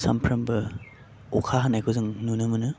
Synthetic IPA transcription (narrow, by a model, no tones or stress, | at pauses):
sa̰mpʰɾɐmbɯ | ɔkʰaɦanajkʰɯzɯŋnunɯmɯnɯ